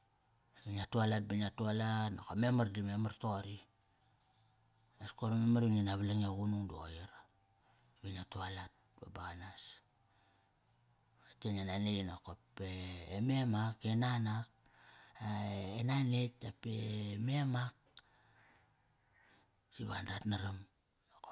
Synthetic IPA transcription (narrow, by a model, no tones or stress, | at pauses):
biɲiatualat̚banatualatnakome̞mardime̞martoɾi | askoɾamemaɾiŋenaβalaŋaɣunuŋduo̰jiɾ | binatualat̚babanas | atenenaneinakopeːmemakenanak̚ | aenanetapememak̚ | siβa̰ndatnaɾam | ako